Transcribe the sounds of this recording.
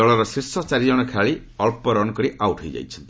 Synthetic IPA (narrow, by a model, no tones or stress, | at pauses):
ɔɭɔɾɔsisɔt͡ʃaɾid͡ʒɔɽ̃ɔkʰaɭi | ɔlpɔɾɔnkɔɽiʔawʈɦojd͡ʒa̰jt͡ʃʰɔnt̪i